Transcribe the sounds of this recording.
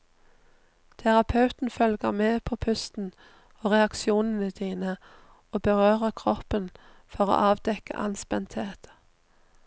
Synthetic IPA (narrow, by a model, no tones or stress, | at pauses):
t̪ʰæʁɑpʰɑʉt̪n̩fœlɡəʁmeːpʰoːpʰʉst̪n̩ | oːʁɛɑkʃɪuːnən̩əd̪̥iːnə | oːbəʁøːʁəʁkʰʁɔpən | fɔʁo̰ːʔɑːʋd̪ɛkə̰ʔɑ̰nspɛnt̪heːt̪